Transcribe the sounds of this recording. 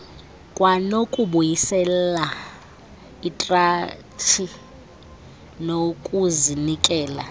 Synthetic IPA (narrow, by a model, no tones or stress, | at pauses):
kʼwanokʼuɓujisɛla | itʼra | t͡ʃʰi | nokʼuzinikʼɛːla